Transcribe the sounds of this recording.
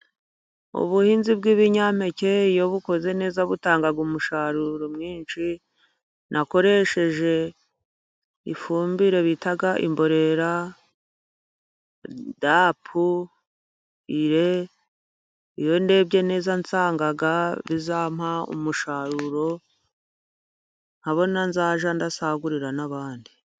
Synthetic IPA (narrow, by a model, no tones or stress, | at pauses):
ṵβuhiːnzibɡiβiɲam̥e̞ce̞ijo̞βuko̞ze̞ne̞ːzaβutaːŋɡaɡumuʃaɾuɾomŋiːnʃi | nʔako̞ɾe̞ʃe̞ʒe̞ | ḭfuːmbiɾe̞βitaɡaʔḭmbo̞ɾe̞ɾa | dapʰu | iɾe̞ | ijo̞nde̞ːbɟe̞ne̞ːzant͡saːŋɡaɡaβizam̥haṵmuʃaɾuɾo̞ | ŋ̥haβo̞nanzaːʒandasaɡuɾiɾanaβaːndi